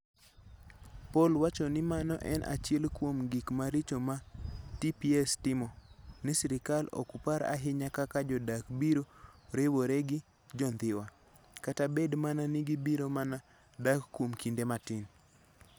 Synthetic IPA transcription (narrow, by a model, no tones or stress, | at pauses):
polwat͡ʃɔnɪmanɔ̰ʔɛnʔa̰t͡ʃɪɛlkwomɡikmaɾit͡ʃomatipiɛstɪmɔnɪsɪɾɪkalo̰kupaɾa̰ɦɪɲakakad͡ʒɔdakbiɾoɾewoɾeɡɪ | d͡ʒɔnd̪ɪwa | katabedmananɪɡibiɾomana | dakkːwomkindematɪn